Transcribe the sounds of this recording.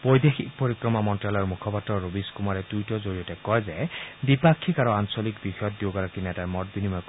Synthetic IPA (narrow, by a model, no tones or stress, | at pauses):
bɔjd̪exik̚poɹikɹɔmamɔntɹalɔjɹmukʰɔpatːɔɹobiskumaɹɛdujtɔzoɹijɔtɛkɔjzɛbipakʰːikaɹuansɔlikbixɔjɔt̪ːjoɡaɹakinɛtaɹmɔt̚binimɔk